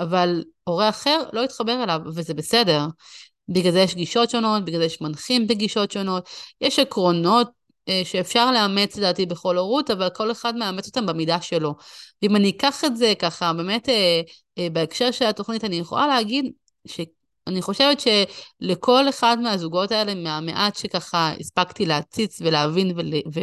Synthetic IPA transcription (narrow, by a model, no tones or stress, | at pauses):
avalo̞ʁeaχe̞ʁlo̞it̪χabe̞ʁelavvezebe̞sede̞ʁ | biɡlalzejeʃɡiʃo̞tʃo̞no̞t̚biɡlazejeʃmanχimbeɡiʃo̞tʃo̞no̞tjeʃakʁo̞no̞t̚ | ʃe̞ːfʃaʁleame̞t͡sledaːtibe̞χo̞loʁutavalko̞le̞χadmeamet͡so̞t̪ambemidaʃe̞lo̞veimanikaχe̞tze̞kaχabe̞me̞te | beekʃe̞ʁʃelato̞χnitanijeχola̰leaɡid | ʃe | aniχo̞ʃe̞vetʃe̞lekʰo̞le̞χadmeazuɡo̞tae̞le̞meameʔatʃe̞kaχaḭspaɡtileat͡sit͡sveleavinvelve